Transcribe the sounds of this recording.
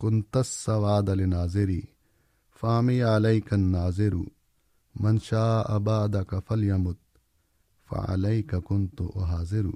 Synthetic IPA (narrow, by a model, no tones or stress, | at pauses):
kʊnt̪ɐsːɐwaːd̪ɐlinaːzɪɾiː | faːmijʕalɐjkɐnːaːzɪɾṵ | mɐnʃaːʔɐbaːd̪ɐkɐfɐljɐmʊt̪̚ | fɐ̰ʕa̰lɐjkɐkʊnt̪ṵʔʊɦaːzɪɾṵ